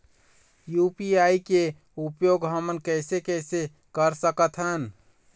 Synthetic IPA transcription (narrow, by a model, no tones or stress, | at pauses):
jupiaike | upjoɡɦəmənkəɪsekəɪse | kəɾsəkət̪ʰɦən